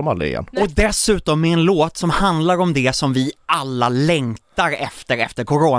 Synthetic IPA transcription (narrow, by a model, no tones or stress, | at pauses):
ma̰l̰ːɪ̰jɛ̰nɔd̪ɛsʉ̟ːt̪ɔmːɛɛnloːt̪sɔmhand̪laɾɔmd̪ɛsɔmvɪʔalːalɛŋt̪aɾɛft̪əɾɛ̰ft̪əɾkʰʊɾoː